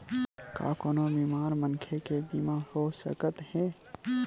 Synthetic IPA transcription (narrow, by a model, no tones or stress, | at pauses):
ka̰ːkonobiːmaːɾmə̃nkʰekebiːmãhosə̰kət̪hɛː